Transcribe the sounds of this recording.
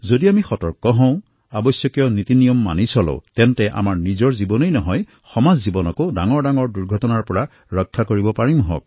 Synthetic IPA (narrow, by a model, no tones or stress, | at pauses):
zodiamixɔtɔɹkɔɦɔ̃w̃ | abɔsjɔkijɔnit̪inijɔmːa̰nisɔlo̰tɛntɛʔa̰maɹnizɔɹzibɔnejnɔɦɔj | xɔmazːibɔnɔkodaŋɔɹdaŋɔɹduɹɡʱɔtɔnaɹpɔɹa | ɹɔkʰːakoɹibɔpaɹimɦɔ̰k̚